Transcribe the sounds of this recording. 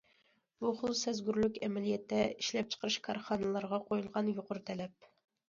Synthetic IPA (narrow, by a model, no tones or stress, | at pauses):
b̥uχʊlˠsɛzɡʲyɾlykʲɛmɛlijɛt̪ʰːɛiʃlɛp̚t͡ʃʰqʰəɾɨʃkʰɑɾχɑːnɨlˠɑɾʁɑqʰojulˠʁɑnjoqʊɾt̪ʰɛlɛp̚